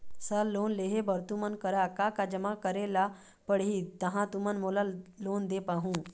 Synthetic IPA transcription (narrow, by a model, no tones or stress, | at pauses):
səlːonleɦebəɾt̪umənkəɾakakad͡ʑəmakəɾela | pəɽɦiːt̪əɦãt̪umənmulalond̪epaɦũ